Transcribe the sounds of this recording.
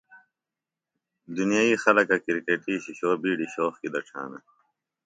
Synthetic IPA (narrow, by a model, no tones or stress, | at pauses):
d̪unijaːiːxɐlɐkɐkiɾkeːʈiːɕiɕoːbiːɖiɕoːxkid̪ɐʈ͡ʂʰa̰ːnɐ̰